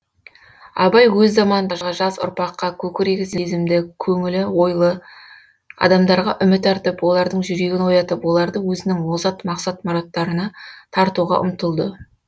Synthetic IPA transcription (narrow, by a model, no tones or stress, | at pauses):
ɑbɑjwɵzːɑmɑnd̪ɑʒʁɑʒɑsʊ̰ɾpɑqːɑkʲʰɵkʲɪɾeɡʲɪzɪzɪmd̪ɪkʲʰɵŋɪlɪwo̞jlˠə | ɑ̰d̪ɑmd̪ɑɾʁɑʔʏmɪt̪æɾt̪ɪpwo̞lˠɑɾd̪əɴʒʏɾe̞ɡʲɪnwo̞jɑt̪əpwo̞lˠɑɾd̪əwɵzɪnɪŋwo̞zɑt̪mɑqsɑt̪mɑɾot̪ːɑɾənɑt̪ʰɑɾt̪uʁɑ̰ʔʊ̰mt̪əlˠd̪ə